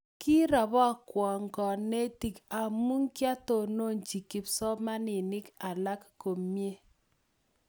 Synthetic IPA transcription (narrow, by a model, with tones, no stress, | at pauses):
ki˦ɾa˨βɔ˦˨kwɔ˨ŋɡɔ˨ne˦ti˨ka˨mu˦ŋkja˦to˨no˦nt͡ʃi˨kɪ˨psɔ˦ma˦nɪ˨nɪ˦ka˨la˦kko˨mje˦